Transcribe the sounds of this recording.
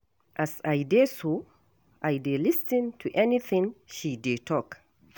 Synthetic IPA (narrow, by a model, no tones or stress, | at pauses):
ʔasajdeso | ʔajdelistə̃ntʰuʔɛniθĩŋʃidetʰɔk